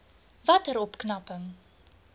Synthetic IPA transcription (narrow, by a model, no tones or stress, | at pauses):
vɐtəɾɔpknɐpəŋ